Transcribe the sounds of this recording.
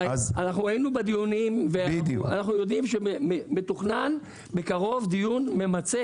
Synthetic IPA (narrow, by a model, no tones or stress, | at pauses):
anaχnuajinubed̪ijunimvead̰a̰naχnujo̞d̪imʃeememet̪oχnan | be̞kaʁo̞vd̪ijunme̞mat͡se